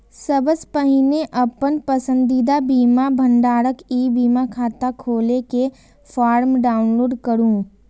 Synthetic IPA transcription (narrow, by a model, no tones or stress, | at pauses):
səbəspəɦɪneʔɐpənpəsə̃nd̪id̪abiːmabʱə̃ɳɖaːɾəkiːbiːmakʰaːt̪akʰoːleke | fʰaːɾmɖaːʊnloːɖkəɾũː